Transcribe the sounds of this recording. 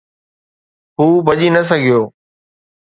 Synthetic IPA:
ɦuːbɐʄinəs̬əɡʱɪjoː

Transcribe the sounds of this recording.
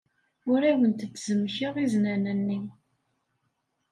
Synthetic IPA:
ʊɾæwənt̪ət͡sːzəmːçiʁiznænənːi

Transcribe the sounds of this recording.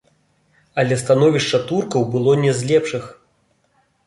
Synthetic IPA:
ɐlʲɛst̪anɔvʲiʂt͡ʂːɐt̪urkɐwbɨlˠɔnʲɛzʲlʲɛpʂɨx

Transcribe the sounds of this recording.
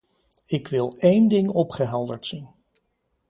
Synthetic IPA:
ɪkʋɪlˠejndɪŋɔpχəɦɛlˠdəɹtsin

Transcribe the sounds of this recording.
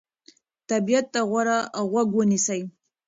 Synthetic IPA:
t̪abijat̪ːaɣwaɾaɣwaɡwənisaj

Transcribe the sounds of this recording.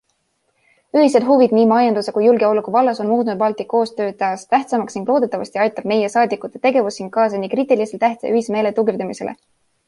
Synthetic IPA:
yhis̬ed̪ɦuvid̪̥niːmɑjɑnd̪usekujːulɡe̞oluɡuvɑlːɑso̞nmuːt̪ˑnud̪̚pɑlt̪ˑikːo̞ːst̪ø̞ːɑːst̪æht̪sɑmɑksniŋɡlo̞ːd̪e̞t̪ːˑɑvɑ̰st̪iɑjt̪ːˑɑb̥me̞jesɑːd̪ikˑut̪ːˑe̥t̪e̞ɡ̥e̞vusːinɡ̪̥̚kːɑːs̬ɑnikrit̪ːˑiliselt̪ːæht̪sḛyhiseme̞ːle̞t̪uɡird̪emise̞lḛ

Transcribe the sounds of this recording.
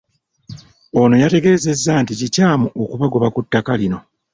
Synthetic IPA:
o̞no̞jate̞ɡe̞ːze̞zːanticicaːmuʔokuβaɡoβakutːakalino̞

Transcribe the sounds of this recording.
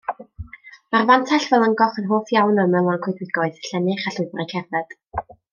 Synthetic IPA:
marvantʰaɬvɛlˠəŋɡɔχənɦoːθjawnəmɛlˠankʰwɪθwɪɡɔɨðɬɛnɪχaɬʊɨvrajkʰɛrvɛd̥

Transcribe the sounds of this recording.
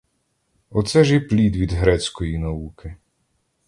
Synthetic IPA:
ɔt̪sɛʒjɛplʲid̪ʋʲid̪ɦɾɛt͡sʲkɔjinɐukɪ

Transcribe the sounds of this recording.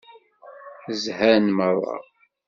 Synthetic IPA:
zhænmərˤːɑ̰

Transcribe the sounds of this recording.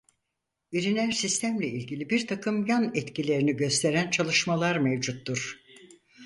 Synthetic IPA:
biɾinæɾsist̪ʰæmlʲɛilʲɟilʲibiɾt̪ʰakʰɯmjanɛt̪cilʲe̞ɾiniɟø̞st̪ʰe̞ɾænt͡ʃʰalˠɯʃmalˠaɾmɛvd͡ʒut̪ːuɾ̥

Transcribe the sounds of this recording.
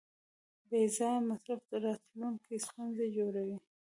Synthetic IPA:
bezɑmasɾafd̪əɾɑt̪luŋkist̪unzed͡ʒoɾawi

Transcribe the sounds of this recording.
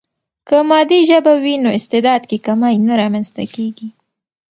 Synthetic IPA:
kəmɑd̪iʒəbawinoɪst̪ɪd̪ɑd̪kekamɑjnaɾɑmanst̪a̰keɡi

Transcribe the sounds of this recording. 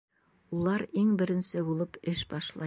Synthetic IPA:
ulˠɑɾiŋbɘ̆ɾɘ̆nsɘbulˠɤpɘʃbɑʃlˠɑ

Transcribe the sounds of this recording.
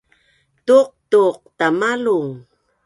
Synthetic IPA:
tuq̚tuq̚tamaluŋ

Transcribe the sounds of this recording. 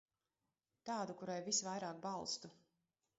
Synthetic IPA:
t̪ɑːd̪ukuɾajvisvajɾaːk̚bɑlˠst̪u

